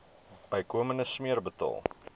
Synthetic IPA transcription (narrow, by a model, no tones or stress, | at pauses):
b̥əjkuəmənəsmiərbətɑ̰ːlˠ